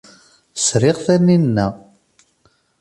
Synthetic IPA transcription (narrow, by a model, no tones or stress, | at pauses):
sɾɪʁθæninːæ